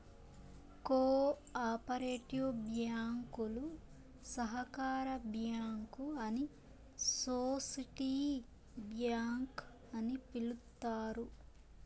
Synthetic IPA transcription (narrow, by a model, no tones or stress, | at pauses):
koː | aːpɐɾeːʈijobjaːŋkulu | sɐɦɐkaːɾɐbjaːŋkuɐni | soːsiʈiː | bjaːŋk | ɐnipilut̪ːaːɾu